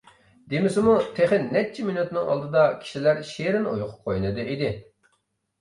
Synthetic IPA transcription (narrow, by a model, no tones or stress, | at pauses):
d̪emɪsɪmut̪ʰeχɪnːɛt͡ʃʰiminut̪nɪŋɑ̰lˠd̪ɨd̪ɑkʲʰi̥ʃilæɾʃeɾɪno̰jqʰʊ̥p̚qʰojnɨd̪ɨid̪ɪ